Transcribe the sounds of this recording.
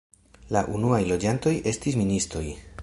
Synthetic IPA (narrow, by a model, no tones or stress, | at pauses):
laʔunuajlo̞d͡ʒanto̞je̞stis̬ministɾo̞j